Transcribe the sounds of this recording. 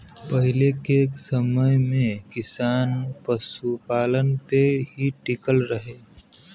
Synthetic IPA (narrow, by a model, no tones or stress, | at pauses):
pəɦɪlekeksəməjmẽkɪsaːnpəsupaːlənpeɦiʈɪkəlɾəɦeː